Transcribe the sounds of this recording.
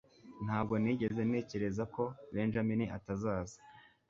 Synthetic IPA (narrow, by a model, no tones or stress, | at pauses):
n̥haːb̚ɡo̞niɟe̞ze̞ne̞ːce̞ɾe̞zako̞βeːnʒaminiʔa̰tazaːzḁ